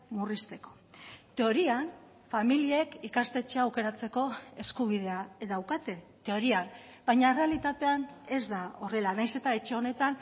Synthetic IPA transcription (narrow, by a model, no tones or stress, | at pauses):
murist̪e̞ko̞̥ | t̪e̞o̞ɾian | familieekikast̪e̞t͡ʃe̞aːwke̞ɾat͡se̞ko̞e̞skuβ̞ið̞e̞aðawkat̪e̞ | t̪e̞o̞ɾian | b̥ajɲaere̞alit̪at̪e̞ane̞zd̪ao̞re̞lanajse̞t̪ae̞t͡ʃeo̞ne̞t̪an